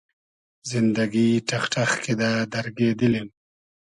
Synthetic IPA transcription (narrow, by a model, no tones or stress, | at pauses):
zɪnd̪aɡiʈaxʈaxked̪ad̪aɾɡed̪əlin